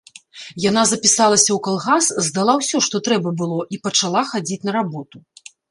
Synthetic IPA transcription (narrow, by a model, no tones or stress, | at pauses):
janazɐpʲisalˠɐsʲɐwkalˠɣaszd̪alˠawsʲɔʂt̪ɔt̪ɾɛbɐbɨlˠɔʔipɐt͡ʂalˠaxad͡zʲit͡sʲnɐɾabɔt̪u